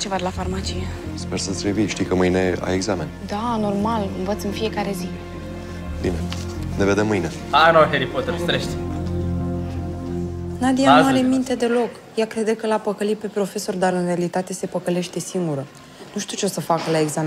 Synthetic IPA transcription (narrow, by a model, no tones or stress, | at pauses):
t͡ʃevad̪lafarmat͡ʃije | spersəsʲɾiviʃt̪ijkəmɨjne̞a̰eɡzame̞nd̪ano̞rmalɨnvət̪sɨnfije̞kaɾe̞zi | bine | neve̞d̪emːɨjne | anaɦeɾipot̪eɾst̪ɾeʃt̪ʲ | nad̪ianuaɾe̞mint̪e̞d̪e̞lo̞k | jakɾe̞d̪ekəlapəkəlipe̞pɾo̞fe̞so̞rd̪aɾɨnre̞alit̪at̪e̞se̞pəkəle̞ʃt̪e̞siŋɡuɾə | nuʃt̪iut͡ʃeosəfakəlaeɡzam